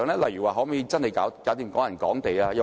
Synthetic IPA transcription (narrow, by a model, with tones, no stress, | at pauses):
ŋlɛː˥lɐ˨jɥy˨˩waː˨˧ɦɔ˨˥mɛ˨˥ji˧t͡sɐ˥nhɐ˨jkaː˨˥wkaː˨˥wt̪iː˨˩mkɔː˨˥jɐ˨˩nkɔː˨˥ŋt̪e˨jaː˧jɐ˨˧